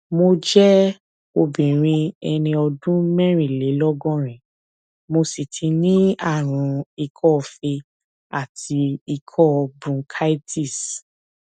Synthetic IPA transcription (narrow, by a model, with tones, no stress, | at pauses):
mo˧d͡ʒɛ˦ | o˧bĩ˨ɾ̃ĩ˧ɛ˧nĩ˧ɔ˧dũ˦mɛ̃˦ɾ̃ĩ˦˨le˨˦lɔ˦ɡɔ̃˦ɾ̃ĩ˨ | mo˧si˨tʰi˧nĩ˦a˦˨ɾ̃ũ˨˧i˧kʰɔ˦˨fe˧ | a˦˨tʰi˧i˧kʰɔ˦˧bɾũ˧kʰa˦i˦ti˦˨s